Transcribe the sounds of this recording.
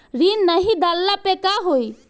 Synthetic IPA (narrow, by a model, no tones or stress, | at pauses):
ɾiːnnəɦid̪alːapekaɦoi